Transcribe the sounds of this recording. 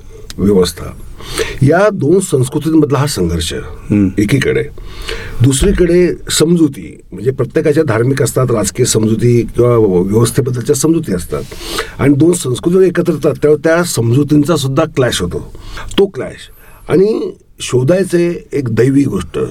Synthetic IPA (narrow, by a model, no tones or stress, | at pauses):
ʋjəʋəst̪ʰa̰ | jad̪onsə̃w̃skɾut̪iməd̪ʱlaɦasəŋɡʱəɾɕə̰ekiːkə̰ɽḛ | d̪usɾikəɽesəmd͡zut̪ḭː | m̤ə̃ɳd͡zepɾət̪jekat͡ɕjad̪ʱaɾmikəst̪at̪ɾad͡zkijəsəmd͡zut̪ikĩw̃ʋaʋjəʋəst̪ʰebəd̪ːəlt͡ɕjasəmd͡zut̪iəst̪a̰t̪a̰ɽ̃id̪onsə̃w̃skɾut̪iekət̪ɾət̪at̪ːjaʋəɾt̪jasəmd͡zut̪int͡sas̬ud̪ʱːaklæɕɦot̪o̰t̪oklæ̰ɕ | a̰ɽ̃i | ɕod̪ajt͡seekd̪əjʋiːɡʱoʂʈə̰